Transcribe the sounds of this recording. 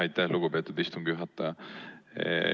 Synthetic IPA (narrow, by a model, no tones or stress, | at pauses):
ɑjt̪ːæhluɡupet̪ːˑud̪ist̪umɡuɦɑt̪ːɑ